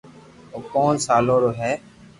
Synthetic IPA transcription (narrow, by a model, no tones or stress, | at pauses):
oːkoːnsaːloːɾoːɦɛː